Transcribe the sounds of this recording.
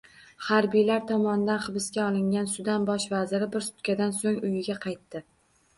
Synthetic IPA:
haɾbijlaɾt̪ʰɒmɒnɪd̪anχɨbɪskʲaɒlˠɪŋɡʲansʊd̪anbɒʃvazɪɾɪbɪɾsʊ̥t̪kʲad̪ansoŋʊjɪɡʲaqʰɑjt̪ːɪ

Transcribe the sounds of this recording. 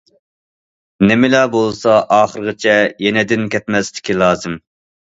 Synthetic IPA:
nɪmɪlɛbolˠsɑʔɑːχəɾəʁɨt͡ʃʰɛjenɪd̪ɪnkʲɛt̪mɛsd̪ɪ̥kʲilˠɑːzɨm

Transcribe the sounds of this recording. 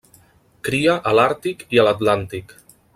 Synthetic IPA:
kɾiaʔəlaɾt̪ikiəlat̪lant̪ik

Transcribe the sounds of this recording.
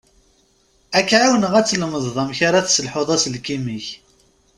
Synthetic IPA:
ækːʕawənəʁæt͡sːlməðˤðˤɑmçaɾaθsəlħoðˤɑsəlkimiç

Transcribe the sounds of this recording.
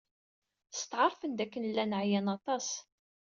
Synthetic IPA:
st̪ʕəɾˤfənd̪ækːənəlːænəʕjænɑt̪ˤɑs

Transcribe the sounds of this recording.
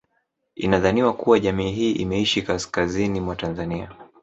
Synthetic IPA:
ḭnaðaniwakuwaʄamiːɦiːʔḭmɛiʃikaskazinimwatanzania

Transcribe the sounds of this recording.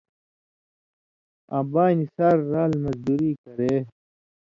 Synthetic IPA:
ãːbaːnisaɾːaːlmɐzd̪uɾiːkɐɾeː

